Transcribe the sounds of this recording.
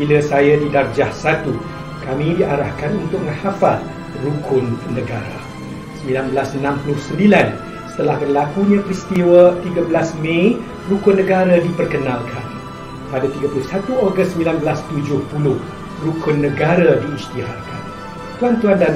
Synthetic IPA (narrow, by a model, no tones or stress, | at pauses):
bilasajadidard͡ʒahsat̪u | kamĩdiaɾahkanunt̪ʊk̚mə̃ŋhafal | rukʰʊnːəɡa̰ɾa̰ | səmbilanbəlasənãmplʊhsəmbilan | sə̥t̪əlahbərlakuɲãpɾist̪iwat̪iɡabəlasmẽj | rukʊnːə̃ɡaɾadipərkənãlkʰan | padat̪iɡəplʊhsat̪uoɡəst̪səmbilanbəlast̪ud͡ʒʊhpulʊh | rukʊnːəɡaɾadiːst̪iɾa̰ka̰n | t̪uɦant̪uanda